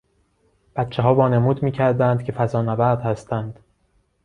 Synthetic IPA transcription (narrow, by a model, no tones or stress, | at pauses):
b̥æt̪t͡ʃʰeɦɒːbɒːnemuːd̪miːcʰæɾd̪ænd̪̥kcʰe̞fæzɒːnæbæɾd̪hæst̪ʰænd̪̥